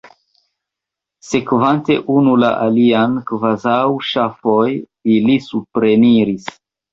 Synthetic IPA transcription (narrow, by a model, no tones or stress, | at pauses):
se̞kvante̞ʔunula̰ʔaliankvazawʃafo̞j | ilisupɾe̞niɾis